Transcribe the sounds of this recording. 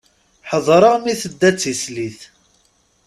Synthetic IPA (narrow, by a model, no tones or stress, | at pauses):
ħəðˤɾˤəʁmiθəd̪ːæt͡sːisliθ